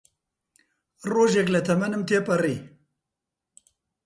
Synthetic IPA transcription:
roʒeklɐt̪ʰɐmɐnɨmt̪ʰepɐɾi

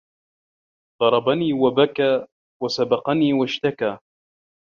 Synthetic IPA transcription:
d̪ˤɑɾˤɑbaniːwabakaː | wasabɑqɑniːwaʃt̪akaː

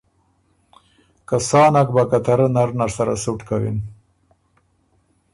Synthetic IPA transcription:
kasɑːnak̚bakat̪aɾanaɾnaɾsaɾa̰suʈkawḭn

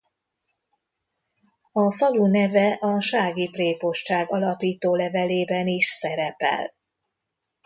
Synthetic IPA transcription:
ɒfɒlunɛvɛʔɒʃaːɡipreːpo̞ʃt͡ʃaːɡɒlɒpiːt̪oːlɛvɛleːbɛniʃsɛɾɛpɛ̰l

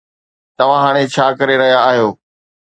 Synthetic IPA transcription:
t̪ɐʋ̤ãɦaːɽ̃et͡ɕʰaːkɐɾeɾɐɦijaːɦijoː

